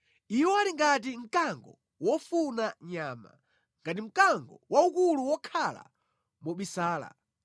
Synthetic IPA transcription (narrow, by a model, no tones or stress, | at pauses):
iwɔaɾiŋɡat̬im̩kaŋɡɔ | wɔfunaɲaːma̰ | ŋɡatim̩kaŋɡɔ̰waukuluwɔkʰala̰ | mɔɓisaːla̰